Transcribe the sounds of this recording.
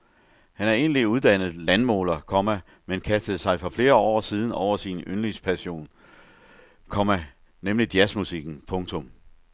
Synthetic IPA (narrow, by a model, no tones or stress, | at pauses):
hænæɐe̝ːnliuð̞ˠd̥æn̰əð̞̩ˠlænmɔ̰ːlɐkʰɒ̽mæ | menkʰæsd̥əð̩ˠsɑ̈ɪfɒ̽fle̝ːɐɒ̰ːsiːð̞ˠn̩ɒʊ̰ɐsinønlispʰæɕo̝̰ːn | kʰɒ̽mæ | nemlid̥iæsmusiɡ̥n̩pʰɔ̽ŋt͡sʰɔ̽m